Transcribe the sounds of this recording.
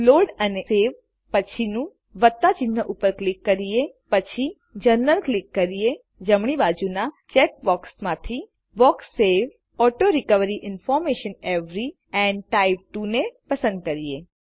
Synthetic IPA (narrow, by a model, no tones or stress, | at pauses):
loɖəneseʋ | pət͡ʃʰinũ | ʋət̪ːat͡ʃin̤ːəʔupəɾklɪkːəɾiepət͡ʃʰi | d͡ʒəɾnəlklɪkːəɾie | d͡ʒəmɳ̃ibad͡ʒuna | t͡ʃek̚bɔksmãt̪ʰi | bɔksːeʋ | ɔʈoɾɪkəʋəɾiʔɪnfɔɾmeʃəneʋɾi | ɛ̃ɳɖʈaib̚ʈunepəsə̃nd̪̚kəɾie